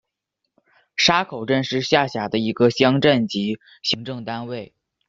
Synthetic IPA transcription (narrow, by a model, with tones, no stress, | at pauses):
ʂa˥kʰo˨˩ʊʈ͡ʂə˥˧nʂɻ̩˥˧ɕja˥˩ɕja˨˩d̪ə˦i˧˥ɡə˧ɕjɑ˥ŋʈ͡ʂə˥˩nt͡ɕi˧˥ | ɕi˧˥ŋʈ͡ʂɤ˥˩ŋt̪a˥nwe˥˩ɪ